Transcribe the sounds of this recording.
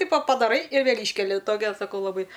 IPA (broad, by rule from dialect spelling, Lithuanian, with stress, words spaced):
ˈtʲɪpoː pɐdɐˈrɐɪ ɪr ˈʋʲeːlʲ ˈiːʃʲkʲɛlʲɪ ˈtoːkʲɛ sɐˈkɐʊ lˠɐˈbɐɪ